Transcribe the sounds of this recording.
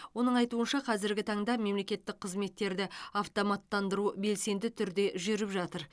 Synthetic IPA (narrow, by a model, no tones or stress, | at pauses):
wo̞nəɴɑjt̪uənʃɑqʰɑzɪɾɡʲɪt̪ʰɑɴd̪ɑme̞mle̞kʲe̞t̪ːɪk̚qʰəzme̞t̪ːe̞ɾd̪ɪɑft̪omɑt̪ːɑnd̪əɾube̞lse̞nd̪ɪt̪ʰʏɾd̪e̞ʒʏɾɪpʒɑt̪əɾ